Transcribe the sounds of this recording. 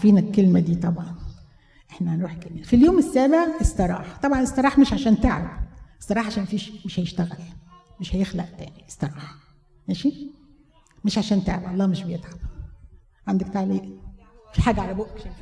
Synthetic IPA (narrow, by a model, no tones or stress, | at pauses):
fiːnækelmæd̪iːt̪ˤɑbʕɑn | ʔeħnænɾuːħkælmæfiljoːmɪsːæːbeʕʔesˤt̪ɑɾˤɑ̰ːħt̪ˤɑbʕɑnʔesˤt̪ɑɾˤɑːħmɪʃʕaʃæːnt̪eʕæbʔesˤt̪ɑɾˤɑːħʕaʃæːnmæfiːʃmeʃhæjeʃt̪æɣæl | meʃhæjexlæʔt̪æ̰ːniʔe̥st̪ɑɾˤɑːħ | mæːʃi | meʃʕaʃæːnt̪eʕbʔɑlˤːɑːmeʃbejet̪ʕam | ʕand̪ækt̪aʕliːʔfiħaːɡæʕalæboʔkʃæ